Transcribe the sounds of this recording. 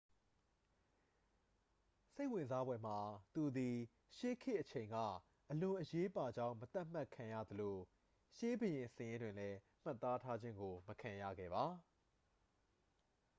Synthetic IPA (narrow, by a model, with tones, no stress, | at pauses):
se˦ɪʔwɪ̃˨nza˦bwɛ˨m̥a˨t̪u˨d̪i˨ | ʃe˦kʰɪ˦ʔət͡ɕʰẽ˨ɪ̃ŋɡa̰˦˨ | ʔəlʊ̃˨ʔəje˦pa˨d͡ʑã˦˨ʊ̃mət̪a˦ʔm̥a˦˨kʰã˨jä̰˦˨d̪əlo˨ | ʃe˦bəjɪ̃˨səjɪ̃˦ndwɪ̃˨lɛ˦ | m̥a˦˨t̪ːa˦tʰa˦d͡ʑɪ̃˦ŋɡo˨məkʰã˨ja̰˦˨ɡɛ̰˦˨βa˨˦